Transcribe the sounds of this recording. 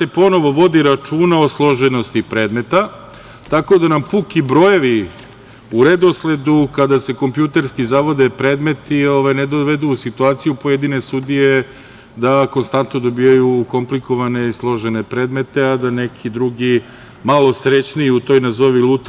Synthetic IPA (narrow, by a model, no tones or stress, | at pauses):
se̞po̞no̞ʋo̞ʋo̞d̪iɾat͡ʂuːnaoslˠo̞ʒeno̞st̪ipɾe̞ːd̪me̞t̪a | t̪ako̞d̪anampukibɾo̞jeʋi | uɾed̪o̞sle̞d̪ukad̪ase̞ko̞mpjut̪e̞ɾskizaʋo̞d̪epɾe̞ːd̪me̞t̪io̞ʋajned̪oʋe̞d̪uːsit̪uaːt̪sijupo̞jed̪ine̞sud̪ije̞ | d̪ako̞nst̪ant̪no̞d̪o̞bijajuko̞mpliko̞ʋane̞islˠo̞ʒene̞pɾe̞ːd̪me̞t̪e̞ad̪anekʰid̪ɾuɡi | malo̞sɾet͡ɕniiut̪o̞jnazoʋilˠut̪